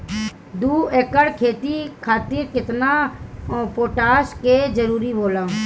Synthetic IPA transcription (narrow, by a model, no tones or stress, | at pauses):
d̪uːeːkəɽkʰeːt̪ikʰaːt̪ɪɾkɪt̪na | poːʈaːʃked͡ʒəɾuːɾiboːlãː